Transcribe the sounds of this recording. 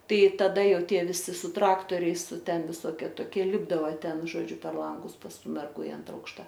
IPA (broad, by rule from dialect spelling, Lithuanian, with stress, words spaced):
ˈtɐɪ tɐˈdɐ ˈjɛʊ ˈtʲiɛ ʋʲɪˈsʲɪ sʊ ˈtrɑːktoːrʲɛɪs ˈtʲɛn ʋʲɪˈsoːkʲɛ toːˈkʲiɛ ˈlʲɪbdɐʋɐ ˈtʲɛn ʒoːˈd͡ʒʲʊ pʲɛr ˈlˠɐŋɡʊs pɐs ˈtuː mʲɛrˈɡuː ɪ ˈɐntrɐ ˈɐʊkʃtɐ